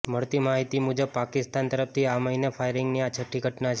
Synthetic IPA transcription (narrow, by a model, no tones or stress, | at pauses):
məɭt̪imaɦit̪imud͡ʒəb̚pakɪst̪ant̪əɾəft̪ʰiaməɦinefʰajɾɪŋɡniat͡ʃʰəʈʰːiɡʱəʈnat͡ʃʰ